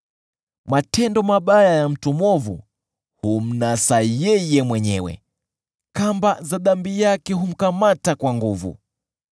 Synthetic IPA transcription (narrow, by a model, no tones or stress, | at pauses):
matɛndɔmaɓajajam̩tumwɔvṵ | hum̩nasajɛjɛmwɛɲɛwɛ̰ | kambazaðambijakɛɦum̩kamatakwaŋɡuvṵ